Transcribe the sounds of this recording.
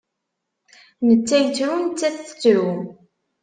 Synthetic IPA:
nət͡sːæjət͡sːɾunt͡sːæθə̥t͡sːɾu

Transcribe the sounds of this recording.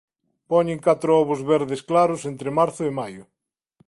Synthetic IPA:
pɔɲeŋkat̪ɾʊɔβʊzβɛɾðesklaɾʊsent̪ɾemaɾθʊemajʊ

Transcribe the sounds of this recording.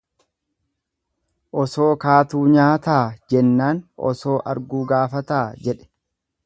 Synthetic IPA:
ʔɔsoːkaːt̪uːɲaːt̪aːd͡ʒɛnːaːnʔɔ̰so̞ːʔɐ̰ɾɡuːɡaːfɐt̪aːd͡ʒɛᶑɛ̥

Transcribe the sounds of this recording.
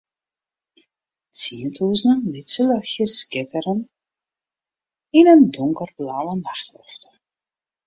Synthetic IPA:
t͡siəntʰuːznəlɪtsələxjəskɪtəɾən | inəndʊŋkərplaːlənaxtlɔ̰ft

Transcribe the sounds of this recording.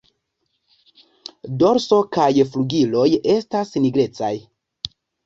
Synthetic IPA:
do̞ɾso̞kajfluɡilo̞je̞stasniɡɾe̞t͡saj

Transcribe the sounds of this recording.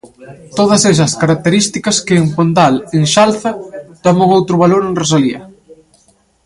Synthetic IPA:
t̪oð̞ɐsɛs̬ɐskaɾak̚t̪eɾist̪ikɐskeempont̪aleŋʃalθɐd̪̥amoŋowt̪ɾʊβaloɾenrosaliɐ̰

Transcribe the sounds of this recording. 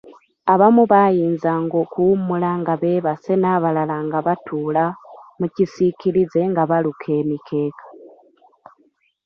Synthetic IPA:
aβamuβajiːnzaŋɡokuːmulaŋɡaβe̞ːβase̞naβalalaŋɡaβatʰuːlamucisiciɾize̞ŋɡaβalukʰe̞ːmikʰe̞ːkḁ

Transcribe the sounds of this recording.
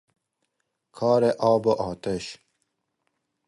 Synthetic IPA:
kʰɑːɾeʔɑːboʔɑːt̪eɕ

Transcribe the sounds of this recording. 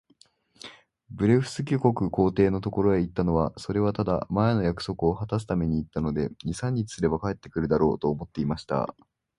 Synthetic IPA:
bɯ̟ɾe̞ɸɯ̟̥sɨkʲoko̞kɯ̟ko̞ːt̪e̞ːno̞t̪o̞ko̞ɾo̞eit̪ːano̞βaso̞ɾe̞β̞at̪ad̪a̰maeno̞jakɯ̟̥so̞kɯo̞hat̪as̬ɨ̥t̪ame̞ɲ̟iːt̪ːano̞d̪e̞ɲ̟isãɲ̟ːit͡si̥sɨɾe̞bakae̞t̪ːe̞kɯ̟ɾɯ̟d̪aɾo̞̰ːt̪o̞ːmo̞t̪ːe̞imaɕi̥t̪a̰

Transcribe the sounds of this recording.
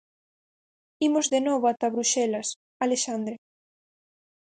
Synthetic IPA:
imozðenɔβoat̪aβɾuʃɛlɐs | aleʃand̪ɾe

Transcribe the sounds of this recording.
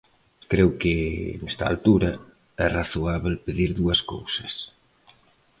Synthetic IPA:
kɾɛwkɪnɛst̪ɐa̰lt̪uɾɐ | ɛraθoaβlpeðiɾðuɐsko̰wsɐ̥s

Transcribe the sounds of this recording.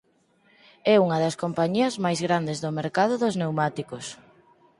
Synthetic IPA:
ɛuŋɐðɐskompaɲiɐzmajzɣɾand̪ezðomeɾkaðʊðʊznewmat̪ikos

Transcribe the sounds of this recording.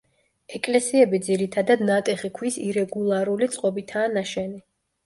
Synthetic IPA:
ɛkʼlɛsiɛbid̪ziɾit̪ʰad̪ad̪nat̪ʼɛχikʰwisiɾɛɡulˠaɾulit̪sʼqʼɔbit̪ʰaːnaʃɛni

